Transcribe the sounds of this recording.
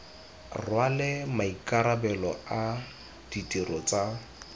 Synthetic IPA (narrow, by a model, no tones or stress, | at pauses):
rwalɪmaikʼaɾabɛlɔa | d̥itʼirɔt͡sʼa